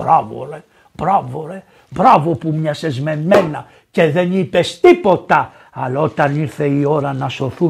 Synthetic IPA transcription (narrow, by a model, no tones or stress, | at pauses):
bɾavo̰ɾe | bɾavoɾe | bɾɐvo̞pumɲɐsezmemenɐ | ceðenipest̪ipo̞t̪ɐ | ɐlot̪ɐniɾθe̞io̞ɾɐnɐsoθu